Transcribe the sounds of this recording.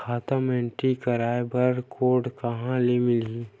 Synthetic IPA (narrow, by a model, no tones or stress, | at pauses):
kʰaːt̪əmɛ̃ɳʈikɐɾaːebəɾkʰoːɾɖkɐɦãlemɪlɡi